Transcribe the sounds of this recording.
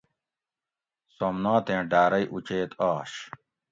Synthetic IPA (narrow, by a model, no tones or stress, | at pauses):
somnãːt̪ẽːɖaːɾɐjʔut͡ɕeːt̪aːɕ